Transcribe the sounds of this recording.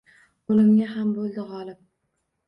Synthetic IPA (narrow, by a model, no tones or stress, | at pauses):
olɪmɡʲaɦambolˠd̪ɪʁɒlɪp̚